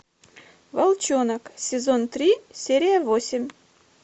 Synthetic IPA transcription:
vɐlˠt͡ɕonəksʲɪzont̪ɾʲisʲeɾʲɪjəvosʲɪmʲ

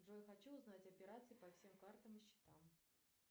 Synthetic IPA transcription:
ʐojxɐt͡ɕuʊznatʲɐpʲɪɾat̪sɨɪpɐfsʲe̞mkart̪əmɨɕːɪ̥t̪am

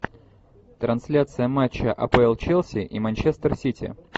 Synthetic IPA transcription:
t̪ɾɐnsʲlʲat̪sɨjəmat͡ɕːəʔɐ̰pəɛlˠt͡ɕelˠsʲɪʔimɐnʲt͡ɕest̪ərsʲitʲɪ̰

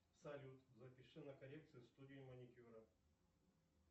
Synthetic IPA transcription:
sɐlʲut̪zɐpʲɪʂɨnɐkɐlʲek̚t̪sɨjʊst̪udʲɪjɪmɐnʲɪkʲuɾɐ

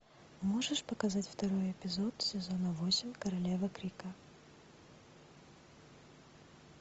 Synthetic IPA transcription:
mo̞ʐɨʂpəkɐzatʲft̪ɐɾo̞jɪpʲɪzot̪sʲɪzonəvosʲɪmʲkəɾɐlʲevəkɾʲikə

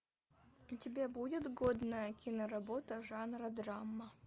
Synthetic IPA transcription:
utʲɪbʲebudʲɪt̪ɡod̪nəjəkʲinəɾɐbot̪əʐɑnrɐd̪ramːɐ

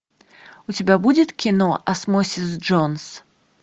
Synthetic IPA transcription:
ut͡sʲabʲabud͡zʲɪt̪kʲinɔʔɐsmɔsʲizd͡ʐɔns

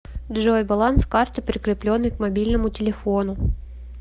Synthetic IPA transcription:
d̪ʐojbalˠanskart̪ɨpɾʲɪkɾʲɪplʲonːɨjkmabʲilʲnəmʊtʲɪlʲɪfonʊ

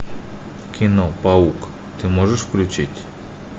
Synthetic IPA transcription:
kʲʰinopauk | t̪imoʒɛʃfklʲut͡ʃit̪ʲ

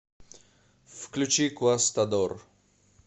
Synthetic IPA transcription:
fklʲut͡ʃikuast̪ad̪ɔɾ

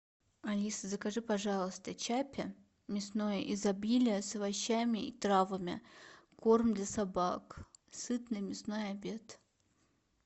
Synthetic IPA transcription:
ɐlʲisəzəkɐʐɨpɐʐɑlˠəst̪ət͡ɕapʲɪ | mʲɪsno̞jəʔɪzɐbʲilʲɪjəsəvɐɕːamʲɪit̪ɾavəmʲɪ̰ko̞rmd̪lʲɐsabaksɨt̪nɨjmʲɪsno̞jɐbʲe̞t̪

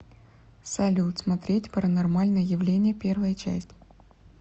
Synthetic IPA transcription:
sɐlʲut̪smɐt̪ɾʲetʲpɾənɐrmalʲnəjəjɪvlʲenʲɪjəpʲe̞rvəjət͡ɕæ̰sʲtʲ

